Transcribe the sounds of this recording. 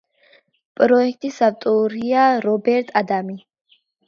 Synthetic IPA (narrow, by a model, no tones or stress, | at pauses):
pʼɾɔɛk̚ʰʼt̪ʼisavt̪ʼuɾiaɾɔbɛɾt̪ʼʰad̪ami